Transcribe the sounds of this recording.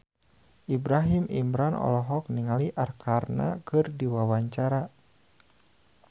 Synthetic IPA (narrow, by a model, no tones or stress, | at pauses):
ʔibɾaɦimimɾanʔɔ̰lɔɦɔk̚niŋaliʔarkʰarna̰kɨrdiwawaɲt͡ʃaɾa